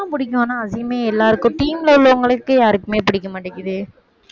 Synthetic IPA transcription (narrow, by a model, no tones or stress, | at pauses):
apʊɽɪk̬ʲːʊ̃nːãːɐsɪjɐmeːɛlːaːɾɯkːʊ̃ʈiːmlɐʊɭːɐʋɐŋɡɐɭɯkːɯjaːɾɯkːɯmeːpɪɽɪkːɐmɐʈːɐkːɐðɯ